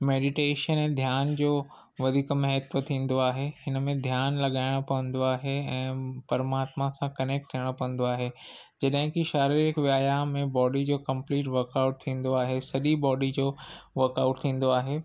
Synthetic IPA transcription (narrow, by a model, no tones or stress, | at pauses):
meːɖɪʈeːʃənɛ̃ːd̪ʱjaːnd͡ʑoː | ʋɐd̪ʱiːkmɐɦət̪ʋət̪ʰĩːnd̪oaːɦehɪnə̆mẽd̪ʱjaːnlɐɠaːɪɽ̃pɐʋə̃nd̪oaːɦeɛ̃ːpɐɾəmaːt̪mãsãkɐneːk̚ʈ̚t̪ʰiəɽ̃pɐə̃n̆d̪oaːɦe | d͡ʑɐɗɦɪ̃kiʃaːɾiɾɪkʋjaːjamẽbɔːɖid͡ʑoːkɐ̃mpliːʈʋɐɾkaʊʈ̚t̪ʰĩːn̆d̪oaːɦesɐɗibɔːɖid͡ʑoːʋɐɾkaːʊʈ̚t̪ʰĩːn̆d̪oaːɦeː